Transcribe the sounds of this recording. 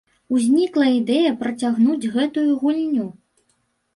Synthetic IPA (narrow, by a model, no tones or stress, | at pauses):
uzʲnʲiklˠɐid̪ɛjɐpɾɐt͡sʲaɣnud͡zʲɣɛt̪ujuɣulʲnʲu